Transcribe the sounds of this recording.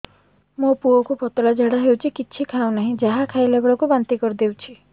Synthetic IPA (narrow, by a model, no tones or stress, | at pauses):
mopuɔkupɔt̪ɔlad͡ʒeɽaɦewt͡ʃʰikit͡ʃʰikʰawnaɦĩd͡ʒaɦakʰailebɔɭɔkubant̪ikɔɾid̪ewt͡ʃʰi